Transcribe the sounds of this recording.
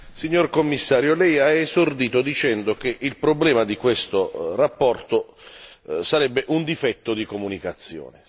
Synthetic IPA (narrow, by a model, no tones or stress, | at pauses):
siɲːorkomːisːaːɾjolɛjaezord̪iːt̪od̪it͡ʃɛnd̪ok̟eʔilpɾoblɛːmad̪ikwest̪orapːɔrt̪o | saɾɛbːeʔund̪ifɛt̪ːod̪ikomunikat̪sːjɔ̰ːne